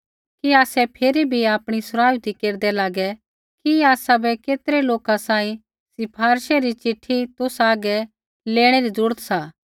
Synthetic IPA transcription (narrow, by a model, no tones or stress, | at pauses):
kiaːsɛpʰeːɾibʱiaːpɽ̃isʊɾaːjut̪ikeːɾd̪ɛlaːɡɛ | kiaːsabʱɛkeːt̪ɾɛloːkãsãːĩ | sɪpʰaːɾʃɛɾit͡ʃɪʈʰːit̪ʊsaːɡɛ | leːɽ̃eɾizɾuːɾət̪saː